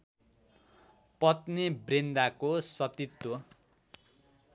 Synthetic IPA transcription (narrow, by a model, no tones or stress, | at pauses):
pʌt̪nibrend̪akosʌt̪it̪ːo